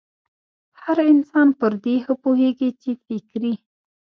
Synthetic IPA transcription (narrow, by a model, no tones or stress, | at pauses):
haɾɪnsɑnpəɾd̪ehəpoɦeɡit͡ʃefɪkɾi